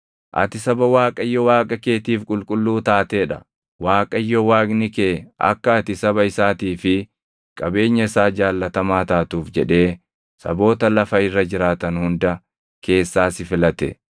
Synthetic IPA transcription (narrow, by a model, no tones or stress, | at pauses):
ʔɐ̰t̪ɪsɐbɐwaːkʼɐjːɔwaːkʼɐke̞ːt̪iːfkʼʊlkʼʊlːuːt̪aːt̪eːᶑɐ̰ | waːkʼɐjːɔwaːkʼnɪkeɐ̰kːɐːt̪ɪsɐbɐɪsaːt̪iːfɪ | kʼɐbe̞ːɲːɐɪsaːd͡ʒaːlːɐt̪ɐmaːt̪aːt̪uːfd͡ʒɛᶑe̞ː | sɐ̰bo̞ːt̪ɐlɐfɐɪrːɐd͡ʒɪɾaːt̪ɐnhʊnd̪ɐ | ke̞ːsːaːsɪfɪlɐt̪ɛ̰